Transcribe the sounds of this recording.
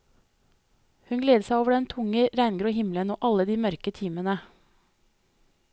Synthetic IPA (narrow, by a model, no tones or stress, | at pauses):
hʉnɡleːd̪əsæɪoːʋəɖɛnt̪ʰʊŋəɾæɪnɡɾuːhɪmlənoːʔɑləd̪iːmœɾkət̪ʰiːmənə